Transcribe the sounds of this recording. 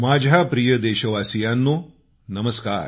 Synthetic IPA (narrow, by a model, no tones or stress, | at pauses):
mad͡ʑʱapɾijəd̪eɕəʋasijanːo | nəməskaːɾ